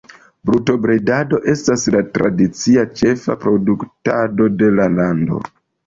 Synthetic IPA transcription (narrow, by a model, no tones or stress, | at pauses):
bɾuto̞bɾedado̞ʔe̞staslatɾa̰dit͡siat͡ʃe̞fa̰pɾo̞duktado̞de̞lalando̞̰